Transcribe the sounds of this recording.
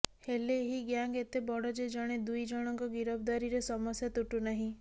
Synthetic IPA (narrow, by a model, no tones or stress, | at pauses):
heleːɦiɡjaŋɡet̪ebɔɽɔd͡ʒed͡ʒɔɽ̃ed̪ujd͡ʒɔɽ̃ɔŋkɔɡiɾɔb̚d̪aɾiɾesɔmɔsjat̪uʈunaɦĩ